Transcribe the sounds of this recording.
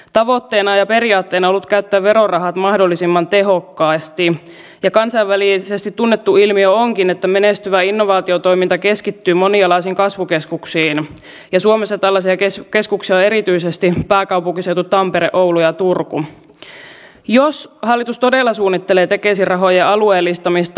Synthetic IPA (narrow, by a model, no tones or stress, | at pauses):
t̪ɑʋo̞t̪ːeːnɑjɑpe̞ɾiɑːt̪ːeːnɑolːut̪kæyt̪ːæːʋʋeɾorɑɦɑt̪mɑhdolːisimːɑnt̪e̞ɦo̞kːɑːst̪i | jɑkɑnsɑiʋʋælisest̪it̪tunːet̪ːuilmiøoŋkinet̪ːæme̞nest̪yʋæinːoʋɑːt̪iot̪o̞ijmint̪ɑke̞skit̪ːyːmo̞niɑlɑisiŋkɑsʋukeskuksiːn | jɑsuomesːɑt̪ɑlːɑsiɑkeske̞skuksiɑoe̞ɾit̪yisest̪ipæːkɑwpuŋkisewt̪ut̪tɑmpeɾḛʔowlujɑt̪urku | joshɑlːit̪ust̪o̞delːɑsuːnːit̪ːeleːt̪e̞kesirɑɦo̞jeʔɑlueːlːist̪ɑmist̪